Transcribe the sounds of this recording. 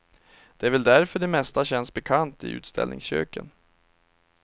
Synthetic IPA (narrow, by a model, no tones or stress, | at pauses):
d̪̥ɛæɾvɛld̪æɾfœɖɛmɛst̪aɕɛnsbɛkʰant̪ɪʉ̟̰ːt̪st̪ʰɛ̰lnɪ̰ŋsɕø̰ːkən